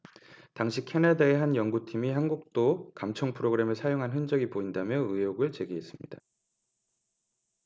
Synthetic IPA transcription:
taŋɕʰikʰe̞nadaeɦanjʌŋɡutʰimiɦanɡuk̚t͈okamt͡ɕʰʌŋpʰɯɾoɡɯɾe̞mɯɭsʰajoŋɦanɦɯnd͡ʑʌɡipoindamjʌɯjoɡɯɭt͡ɕe̞ɡiɦe̞s͈ɯmɲida

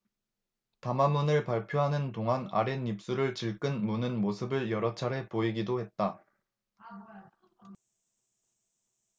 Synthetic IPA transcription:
tamamːunɯɭpaɭpʰjoɦanɯntoŋɦana̰ɾenip̚s͈uɾɯɭt͡ɕiɭk͈ɯnmunɯnmosʰɯbɯɭjʌɾʌt͡ɕʰaɾe̞poiɡidohe̞t̚t͈a

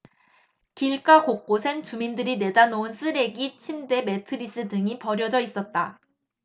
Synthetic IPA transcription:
kiɭk͈akok̚k͈osʰe̞nt͡ɕumindɯɾine̞danounsʰɯɾe̞ɡit͡ɕʰimde̞me̞tʰɯɾis͈ɯdɯŋipʌɾjʌd͡ʑʌis͈ʌt̚t͈a

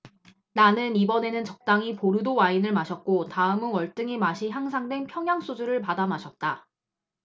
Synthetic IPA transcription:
nanɯnibʌne̞nɯnt͡ɕʌk̚t͈aŋipoɾɯdowainɯɭmaɕʰʌt̚k͈otaɯmɯnwʌɭt͈ɯŋimaɕʰiçaŋsʰaŋdwe̞npʰjʌŋjaŋs͈ud͡ʑuɾɯɭpadamaɕʰʌt̚t͈a

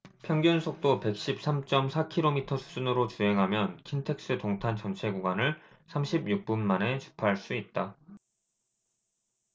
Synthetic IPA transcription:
pʰjʌŋɡjunsʰok̚t͈ope̞k̚ɕ͈ip̚s͈amt͡ɕ͈ʌmsʰakʰiɾomitʰʌsʰu̥d͡ʑunɯɾot͡ɕuɦe̞ŋɦamjʌnkʰintʰe̞k̚s͈ɯtoŋtʰant͡ɕʌnt͡ɕʰe̞ɡuɡwanɯɭ | sʰamɕʰibjuk̚p͈unmane̞t͡ɕu̥pʰaɦɭs͈uit̚t͈a

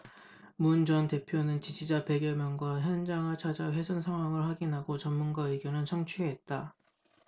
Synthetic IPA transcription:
mund͡ʑʌnte̞pʰjonɯnt͡ɕid͡ʑid͡ʑapeɡjʌmjʌnɡwaçjʌnd͡ʑaŋɯɭt͡ɕʰad͡ʑaɸwe̞sʰʌnsʰaŋɦwaŋɯɭɸwaɡinɦaɡot͡ɕʌmːunɡaɯɡjonɯnt͡ɕʰʌŋt͡ɕʰueɦet̚t͈a

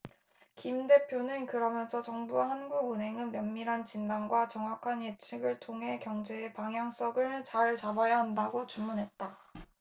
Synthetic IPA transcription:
kimde̞pʰjonɯnkɯɾʌmjʌnsʰʌt͡ɕʌŋbuaɦanɡuɡɯnɦe̞ŋɯnmjʌnmiɾɦant͡ɕindanɡwat͡ɕʌŋwakʰanjet͡ɕʰiɡɯɭtʰoŋɦe̞kjʌŋd͡ʑe̞ːpaŋɦjaŋs͈ʌɡɯɭt͡ɕaɭt͡ɕabajaɦandaɡot͡ɕummunɦe̞t̚t͈a

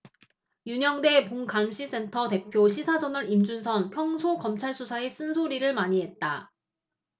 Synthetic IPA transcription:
juɲʌŋde̞poŋkamɕʰis͈e̞ntʰʌte̞pʰjoɕʰisʰad͡ʑʌnɯɾimd͡ʑunsʰʌnpʰjʌŋsʰokʌmt͡ɕʰaɭs͈ʰusʰae̞s͈ɯnsʰoɾiɾɯɭmaɲiɦe̞t̚t͈a

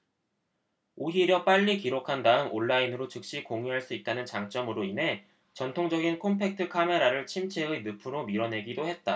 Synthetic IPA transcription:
oɦiɾjʌp͈aʎːikiɾokʰandaɯmoɭːainɯɾot͡ɕɯk̚ɕ͈ikoŋiɦaɭs͈uit̚t͈anɯnt͡ɕaŋt͡ɕ͈ʌmɯɾoinɦe̞ | t͡ɕʌntʰoŋd͡ʑʌɡinkʰompʰe̞k̚tʰɯkʰame̞ɾaɾɯɭt͡ɕʰimt͡ɕʰeɯnɯpʰɯɾomiɾʌnɦe̞ɡidohe̞t̚t͈a

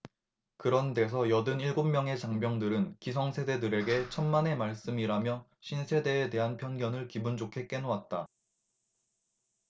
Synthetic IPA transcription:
kɯɾʌnde̞s̬ʰʌjʌdɯniɭɡommːjʌŋe̞t͡ɕaŋbjʌŋdɯɾɯnkisʰʌŋsʰe̞de̞dɯɾe̞ɡe̞t͡ɕʰʌnmane̞maɭs͈ɯmiɾamjʌɕʰinsʰe̞de̞ːte̞ɦanpʰjʌnɡjʌnɯɭkibund͡ʑokʰe̞k͈e̞nowat̚t͈a

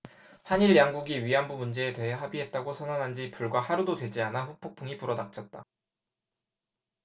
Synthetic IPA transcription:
haɲiɭjaŋɡuɡiɥianbumund͡ʑe̞ːte̞ɦe̞ɦabiɦe̞t̚t͈aɡosʰʌnanɦand͡ʑipuɭɡwahaɾudodwe̞d͡ʑianaɸuk̚pʰok̚pʰuŋipuɾʌdak̚t͡ɕ͈ʌt̚t͈a̰

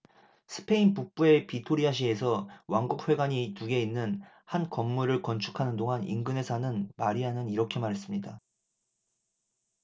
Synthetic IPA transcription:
sʰɯ̥pʰe̞inpuk̚p͈ue̞pitʰoɾiaɕ̬ʰie̞sʰʌwaŋɡuk̚ɸwe̞ɡaɲituɡe̞inːɯn | hankʌmːuɾɯɭkʌnt͡ɕʰu̥kʰanɯndoŋanḭnɡɯne̞sʰanɯnmaɾiɦanɯniɾʌkʰe̞maɾɦe̞s͈ɯmɲida

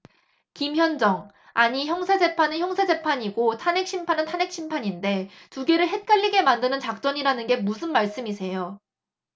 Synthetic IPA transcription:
kimçjʌnd͡ʑʌŋ | aɲiçjʌŋsʰad͡ʑe̞pʰanɯnçjʌŋsʰad͡ʑe̞pʰaɲiɡotʰane̞k̚ɕ͈ʰimpʰanɯntʰanɦek̚ɕ͈ʰimpʰaɲinde̞tuɡe̞ɾɯɭɦe̞t̚k͈aʎːiɡe̞mandɯnɯnt͡ɕak̚t͡ɕ͈ʌɲiɾanɯnɡe̞musʰɯnmaɭs͈ɯmisʰe̞jo

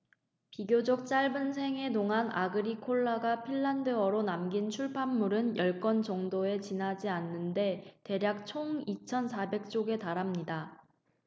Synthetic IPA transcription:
piɡjod͡ʑʌk̚t͡ɕ͈aɭbɯnsʰe̞ŋe̞toŋɦana̰ɡɯɾikʰoɭːaɡapʰiɭːandɯʌɾonamɡint͡ɕʰuɭpʰamːuɾɯnjʌɭk͈ʌnt͡ɕʌŋdoe̞t͡ɕinad͡ʑianːɯnde̞te̞ɾjak̚t͡ɕʰoŋit͡ɕʰʌnsʰabe̞k̚t͡ɕ͈oɡe̞taɾamɲida

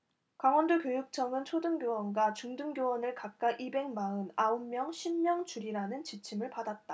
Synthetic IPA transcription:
kaŋwʌndokjojuk̚t͡ɕʰʌŋɯnt͡ɕʰodɯŋɡjowʌnɡwat͡ɕuŋdɯŋɡjowʌnɯɭkak̚k͈aʔibe̞ŋmaɯnaumːjʌŋɕʰimːjʌŋt͡ɕuɾiɾanɯnt͡ɕit͡ɕʰimɯɭpadat̚t͈a

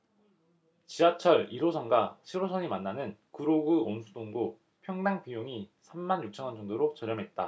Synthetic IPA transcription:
t͡ɕiat͡ɕʰʌɾiɾosʰʌnɡaɕʰiɾosʰʌɲimanːanɯnkɯɾoɡɯonsʰudoŋdo | pʰjʌŋdaŋpijoŋisʰamːanjuk̚t͡ɕʰʌŋʌnd͡ʑʌŋdoɾot͡ɕʌɾjʌmɦe̞t̚t͈a

